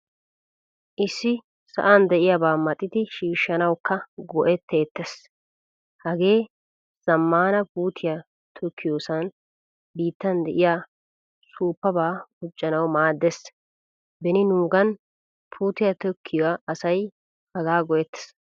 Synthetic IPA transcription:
ʔɪsːɪ | sɐ̰ʔand̪ɛʔɪjabaːmɐt̪ʼːɪd̪ɪʃiːʃːɐnɐwkːɐɡɔʔɛt̪ːeːt̪ːɛs | hɐɡe̞ː | z̥ɐmːaːnɐpuːt̪ʰɪja | t̪ʰɔkʰːɪjoːsɐn | biːt̪ːɐnd̪ɛʔɪjaː | suːpːɐbaːʊt͡ʃʼːɐnɐwmaːd̪ːɛs | bɛnɪnuːɡɐn | pʰuːt̪ɪjɐt̪ɔkʰːɪjaʔɐsɐj | hɐɡaːɡɔʔɛt̪ːɛ̥s

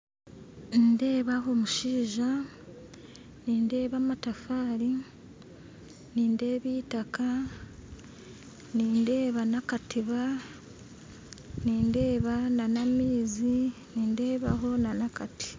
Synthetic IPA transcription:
nde̞ːβaɦo̞muʃiːʒa | niːnde̞ːβamatafaːɾi | niːnde̞ːβitaka | niːnde̞ːβanakatiβa | niːnde̞ːβananamiːzi | niːnde̞ːβaɦo̞nanakati̥

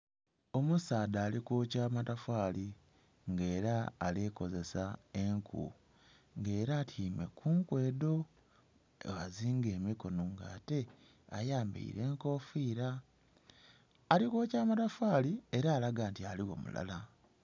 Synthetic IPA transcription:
o̞musaːdaːlikoːcaːmatafaːli | ŋɡe̞ːɾaːleko̞ze̞sae̞ŋkʰṵ | ŋɡe̞ːɾaːtʰiːme̞̰kʰuːŋkwe̞ːdo̞ | waziːŋɡe̞ːmiko̞noŋɡa̰ːte̞ | ajaːmbḭḭɾe̞ːŋko̞ːfiːɾa | likwoːcaːmatafaːlieɾaːlaɡaːntialiɣo̞̰mṵla̰la

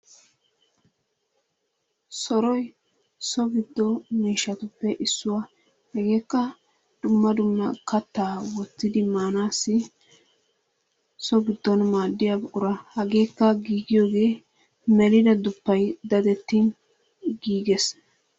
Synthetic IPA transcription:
sɔɾɔj | sɔɡɪd̪ːɔmiːʃːɐt̪ʊpːɛʔɪsːʊwa | hɛɡe̞ːkːɐ | d̪̥ʊmːɐd̪ʊmːɐkɐt̪ːaːwɔt͡sːɪd̪ɪmaːnaːsːɪ | sɔɡɪd̪ːɔnmaːd̪ːɪjabʊɾɐhɐɡe̞ːkːɐɡiːɡɪjoːɡe̞ː | mɛlɪd̪ɐd̪ʊpːɐjd̪ɐd̪ɛt̪ːin | ɡiːɡɛs

